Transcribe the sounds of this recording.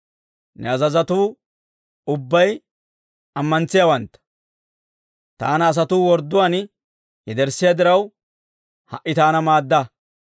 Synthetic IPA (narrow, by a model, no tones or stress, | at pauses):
nɛɐzɐzɐt̪uː | ʊbːɐj | ɐmːɐnt͡sːɪjawɐnt̪ːɐ̥ | t̪a̰ːnɐːs̬ɐt̪uːwɔɾd̪ːʊwan | jɛd̪ɛɾsːɪjad̪ɪɾɐw | hɐʔːɪt̪aːnɐmaːd̪ːɐ